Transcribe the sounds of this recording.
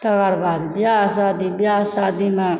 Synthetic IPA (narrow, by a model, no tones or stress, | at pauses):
ʈəɡaɾbad̪bjasad̪ibjasad̪imã